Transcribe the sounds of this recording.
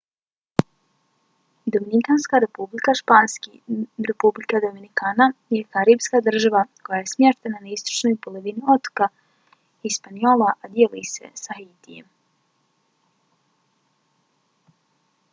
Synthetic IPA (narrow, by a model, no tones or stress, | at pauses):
d̪ominikanskaɾe̞publikaʃpaːnskiɾe̞publikad̪ominikaːnajekaɾipskad̪r̩ʒaʋako̞jajesmjeʃt̪enanaist̪o̥t͡ʃnojpoloʋinio̞t̪o̥ka | ispanio̞ːlaʔad̪jelujse̞̰saɦiːt̪ijḛm